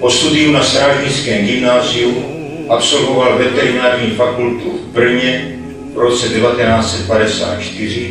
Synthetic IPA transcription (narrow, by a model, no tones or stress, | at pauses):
post̪udiunast̪ɾaːʒɲit͡skɛːmɡimnaːziu | ʔapso̞lvovalvɛt̪ɛɾinaːɾɲifakult̪uvbr̩ɲɛ | vɾot͡sɛdɛvat̪ɛnaːt͡sɛt̪̚padɛsa̰ːt̪t͡ʃt̪ɪr̝i